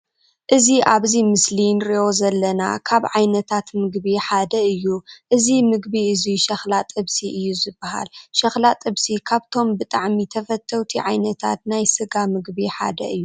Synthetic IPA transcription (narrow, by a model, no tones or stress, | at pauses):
ʔɨziʔaβzimɨslinɾiʔo̞zɐlːɐna̰kʰaβʕajnɐt̪ʰat̪mɨɡbiħad̪ɐɨjːuʔɨzimɨɡbiɨziʃɐxlat̪ʼɨβsiʔɨjːuzɨbːɐɦa̰lʃɐxlat̪ʼɨβsikʰaβt̪ʰo̞mbɨt̪ʼaʕmit̪ʰɐfɐt̪ʰːɐwt̪ʰiʕajnɐt̪ʰa̰t̪najsɨɡamɨɡbiħa̰d̪ɐ̰ɨjːu